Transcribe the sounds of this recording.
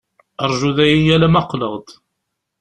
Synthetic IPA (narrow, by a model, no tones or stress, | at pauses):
əɾˤʒuðæjijælæmɑqləʁd̪